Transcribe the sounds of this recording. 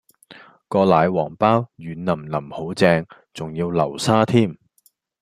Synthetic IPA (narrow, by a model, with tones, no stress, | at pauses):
kɔː˧laː˨˧jwɔː˨˩ŋpaː˥wjyː˨˧nnɐ˨˩mnɐ˨˩mho˨˥wt͡sɛː˧ŋ | t͡sʊ˨ŋjiː˧wlɐ˨˩wsaː˥t̪ʰiː˥˩m